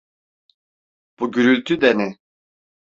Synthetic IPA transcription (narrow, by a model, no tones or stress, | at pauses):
b̥uɟyɾylʲt̪ʰyd̪ɛni